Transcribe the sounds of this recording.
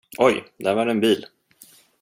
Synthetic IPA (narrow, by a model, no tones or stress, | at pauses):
ʔɔjd̪ævaɖɛnbiːl